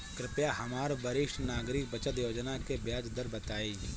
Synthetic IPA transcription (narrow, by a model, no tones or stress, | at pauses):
kɾɪpjaɦɐmaːɾbɐɾɪʃʈnaːɡɾɪk̚bət͡ʃət̪joːd͡ʒnakebjaːd͡ʒd̪əɾbɐt̪aːi